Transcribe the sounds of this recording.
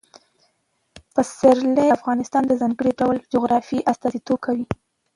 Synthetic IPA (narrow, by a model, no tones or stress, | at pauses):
pəsɪɾleafɣɑnɪst̪ɑnd̪əzɑŋɡəɽiɖawəld͡ʒʊɣɾɑfiʔast̪ɑzit̪ob̚kʰawi